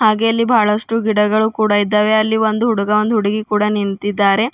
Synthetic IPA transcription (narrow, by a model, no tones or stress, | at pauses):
haːɡe̞ɐlːibʱaːɭɐʂʈuɡiɽɐɡɐɭukuːɽaid̪ːaːʋe̞ɐlːiʋond̪uɦuɽuɡɐond̪uɦuɽiɡikuːɽɐnint̪id̪ːaːɾe̞